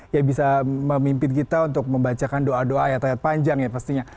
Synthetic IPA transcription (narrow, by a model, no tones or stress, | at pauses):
jabisaməmimpɪnkit̪aunt̪ʊk̚məmbat͡ʃakandoadoajat̪ajat̪̚paɲd͡ʒaŋjapast̪iɲa